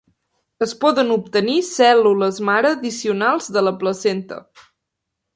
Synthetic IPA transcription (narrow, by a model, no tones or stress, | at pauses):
əspɔðənup̚t̪ənisɛluləzmaɾəðisiunalˠzðələpləsent̪ə̰